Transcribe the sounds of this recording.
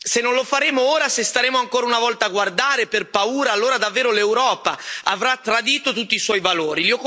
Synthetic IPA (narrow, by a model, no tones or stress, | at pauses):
senːõnlofaɾeːmooːɾasest̪aɾeːmoaŋkoːɾaunavɔlt̪aːɡward̪aːɾeperpauːɾaːlːoːɾad̪avːeːɾolewɾɔːpaavɾat̪ːɾad̪iːt̪ot̪ut̪ːiswɔjvaloːɾiliɔkː